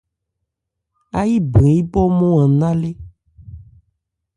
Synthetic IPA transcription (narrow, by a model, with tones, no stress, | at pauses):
a˦ji˦bĩ˨ji˦bɔ˦mɔ̃˦ã˨nã˦le˦